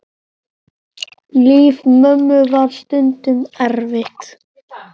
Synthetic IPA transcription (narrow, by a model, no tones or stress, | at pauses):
liːvmœmːʏvaɾ̥st̪ʏnt̪ʏmɛɾvɪht̪